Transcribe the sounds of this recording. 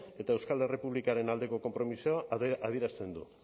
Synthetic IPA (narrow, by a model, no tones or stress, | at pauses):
e̞t̪aewskale̞repuβlikaɾe̞nald̪e̞ko̞ko̞mpɾo̞misiaaðieɾast̪e̞nd̪ṵ